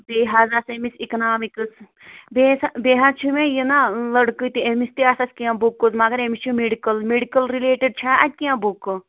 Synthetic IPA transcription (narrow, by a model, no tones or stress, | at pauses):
beːɦaːzasemisiknaːmikɨs | beːsbeːɦat͡ʃʰumẽjinalɐɽkɨt̪iemist̪iaːsɐsʲkijãːbukːozmɐɡɐɾemist͡ʃʰumeɖikəlmeɖikəlɾileːʈiɖ̚t͡ʃʰaːɐt̪̚ʲkiãːbukːo